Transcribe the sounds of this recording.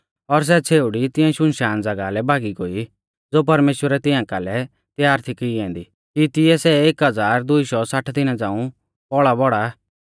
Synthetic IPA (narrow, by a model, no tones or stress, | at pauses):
ɔɾs̬ɛt͡sʰeːʊɽit̪ɪ̃jɛ̃ʃʊnʃaːnd͡zɐɡalɛbʱaːɡiɡoːi | d͡zoːp̬ɐɾmeːʃwəɾɛt̪ɪ̃jãkalɛ | t̪jaːɾt̪ʰikiɛ̃ːnd̪i | kit̪ɪjɛsɛekɦɐd͡zaːɾd̪ʊiʃɔsaʈʰd̪ɪnad͡zãːũ | pɔɭabɔɽa